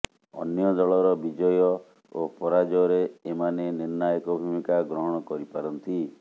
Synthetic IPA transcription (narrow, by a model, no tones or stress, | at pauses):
ɔ̰njɔd̪ɔɭɔɾɔbid͡ʒɔjɔ | opɔɾad͡ʒɔɾeːmaneniɾnajɔkɔbʱumikaɡɾɔɦɔɽ̃ɔkɔɾipaɾɔnt̪i